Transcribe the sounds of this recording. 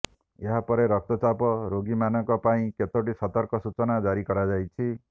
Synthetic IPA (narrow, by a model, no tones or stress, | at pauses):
eɦapɔɾeɾɔk̚t̪ɔt͡ʃapɔɾoɡimanɔŋkɔpaĩket̪oʈisɔt̪ɔɾkɔsut͡ʃɔnad͡ʒaɾikɔɾad͡ʒajt͡ʃʰi